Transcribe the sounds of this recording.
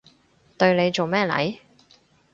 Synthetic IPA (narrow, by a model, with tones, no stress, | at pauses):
t̪ɵ˧ɥne˨˧jt͡so˨wmɛː˥lɐ̰˨˥j